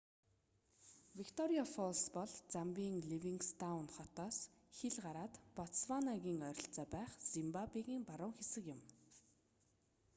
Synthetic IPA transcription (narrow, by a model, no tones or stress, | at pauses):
wikt̪ʰɔɾiafɔlspɔɮt͡sampʲiːŋɮiwiŋkst̪ʰawnχɔt̪ɔːsxeɮɢaɾaːt̪pɔswanaɣʲiːŋœɾʲɪ̆ɬt͡sɔːpæːχzimpapiɣiːmpaɾʊːŋxesɘ̆kjɪ̆m